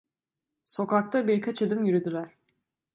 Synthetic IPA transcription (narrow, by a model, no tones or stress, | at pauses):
so̞kak̚t̪ʰabiɾkʰat͡ʃad̪ɯmjyɾyd̪ylʲˠæɾ̥